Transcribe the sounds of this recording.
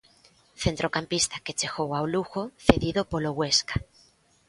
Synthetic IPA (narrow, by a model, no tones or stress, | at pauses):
θent̪ɾokampist̪aket͡ʃeɣowawluɣoθeðiðopoloɣweskḁ